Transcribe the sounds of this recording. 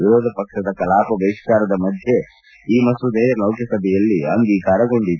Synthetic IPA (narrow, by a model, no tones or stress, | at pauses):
iɾɔːd̪ʱɐpɐkʂɐd̪ɐkɐlaːpɐʋɐiʂkaːɾɐd̪ɐmɐd̪ʱje̞ | iːmɐsud̪eːjɐlɐwkʰjɐsɐbʱɛjɐlːiɐŋɡ̪iːkaːɾɐɡoɳɖit̪ː